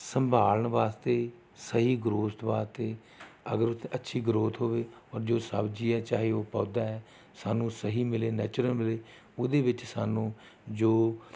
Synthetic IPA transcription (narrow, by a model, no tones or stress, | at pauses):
səmbʱaːləɳʋaːst̪eː | səɦiːɡɾoːt̪ʋaːst̪eː | ə̰ɡəɾʊt̪ʰːətːʃʰiːɡɾoːt̪ɦoːʋeːɔːɾd͡ʒoːsə̰bd͡ʒiːɛːt͡ʃaːɦeːoːpɔ̃ːd̪aːɦɛː | saːnũːsəɦiːmɪleːnɛːt͡ʃɾəlmɪleː | ʊd̪eːʋɪt͡ʃsaːnũː | d͡ʒoː